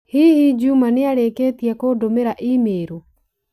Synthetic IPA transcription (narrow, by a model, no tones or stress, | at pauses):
hihid͡ʒumanɪaɾeket̪iakodomeɾaʔimeɾu